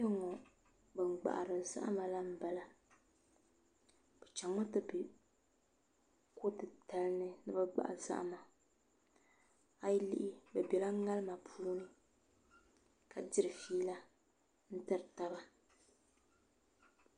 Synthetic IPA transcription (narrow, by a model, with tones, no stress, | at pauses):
jɛ˦ŋɔ˨ | bɨ˨ŋ͡mɡ͡ba̰˨ʔa̰˨ɾɨ˨za̰˦ʔma˨la˦m̩˦ba˨la˦ | b̥ɛ˨t͡ʃa˨ŋɔ˦tɨ˦bɪ˨ | ko˦tɨ˨ta˨lnɨ˦nɨ˦bɨ˦ɡ͡ba̰˨ʔa̰˨za̰˦ʔma˨ | a˨jlḭ˦ʔɪ˦bɛ˨bɛ˨la˦ŋa˦lɨ˦ma˨pʰuː˦nɨ˦ | ka˨dɪ˦ɾɨ˨fiː˦la˦ | n̩˦tɨ˦ɾɨ˨ta˦ba˦